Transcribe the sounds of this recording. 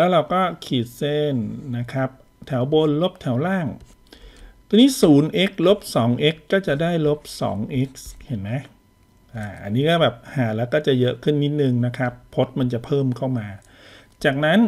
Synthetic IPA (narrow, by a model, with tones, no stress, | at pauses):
lɛː˦˥wɾa˧wkɔː˥˩kʰiː˨˩t̪̚se˧˥˩nːa˦˥kʰɾa˦˥p̚ | t̪ʰɛ˩˦wbo˧nlo˦˥p̚t̪ʰɛ˩˦wlaː˥˩ŋ | t̪ʰɔ˧niː˦˥suː˩˦nʔe˦˥k̚lo˦˥p̚sɔː˩˦ŋʔe˦˥kːɔː˥˩t͡ɕa˨˩ʔdaː˥˩jlo˦˥p̚sɔ̰ː˩˦ŋʔe˦˥k̚he˨˩˦nmɛ˦˥ | ʔaː˧˩ʔa˧nːiː˦˥kɔː˥˩bɛː˨˩p̚haː˩˦lɛː˦˥wkɔː˥˩t͡ɕa˨˩jɤ˦˥ʔkʰɯ˥˩nːi˦˥t̪̚nɯ˧ŋna˦˥kʰa˦˥pʰːo˦˥t̪̚ma˧nt͡ɕa˨˩pʰɤː˥˩mkʰa˥˩wmaː˧ | t͡ɕaː˨˩k̚na˦˥n